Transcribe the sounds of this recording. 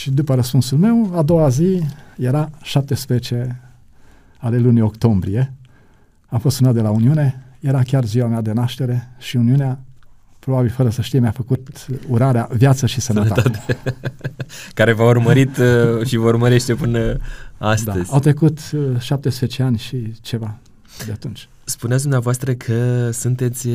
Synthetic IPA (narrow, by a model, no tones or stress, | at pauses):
ʃid̪upəɾəspunsulme̞wad̪o̞wazije̞ɾaʃap̚t̪e̞spɾezet͡ʃe̞ | ale̞lunio̞kt̪o̞mbɾije̞ | amfost̪sunat̪̚d̪e̞launiune̞je̞ɾakʲarziwamead̪e̞naʃt̪e̞ɾe̞ʃiuniunea | pɾo̞babilfəɾəsəʃt̪ijmjafəkut̪uɾaɾeavjat̪səʃisənət̪aat̪e | kaɾe̞vaurməɾit̪ʃivəurməɾe̞ʃt̪e̞pɨnəastd̪aəz̥ʲawt̪ɾe̞kut̪ʃap̚t̪espzet͡ʃe̞anʲʃit͡ʃe̞va | d̪eat̪unt͡ʃʲ | spuneats̬ʲd̪umnavoast̪ɾəkʰəsunt̪e̞t̪sʲ